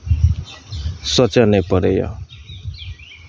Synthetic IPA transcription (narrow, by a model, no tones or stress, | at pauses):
sʌt͡ʃanepʌɾejʌ̰